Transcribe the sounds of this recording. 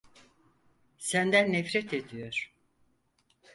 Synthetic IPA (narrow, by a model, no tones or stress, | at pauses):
sænd̪ænːɛfɾɛt̪ʰed̪ijo̞ɾ̥